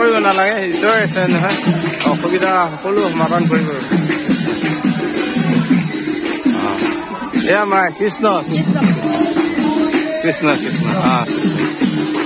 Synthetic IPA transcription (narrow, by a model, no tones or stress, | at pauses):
oɹibɔnalaɡɛisɔɹɛsɛnɛɦɔjɔxobitaxɔkɔlʊmadankoɹibɔkisɔ | kisnɔ | ɔ̰̃ | ejamajkɹisnɔkisn | kɹisnɔkɹisnɔãkisnɔ